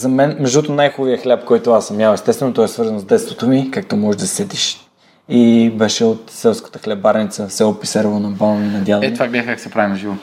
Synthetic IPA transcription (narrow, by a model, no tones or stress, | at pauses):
zɐmɛnmɛʒd̪ot̪onajxʊviəxlʲapkɔjt̪ʊasɐmʲjawɛst̪ɛst̪vɛnot̪ɔɛsvɤɾzənzd̪ɛt̪st̪vot̪omikak̚t̪omɔʒɛʒd̪ɐsɛt̪iʃ | ibɛʃɛot̪sɛlˠskə̥t̪əxlɛbaɾnit̪səsɛlˠopisɛɾvonɐbalˠninɐd̪ʲjalˠɛt̪vaɡlʲaxkaksɛpɾavinʒivo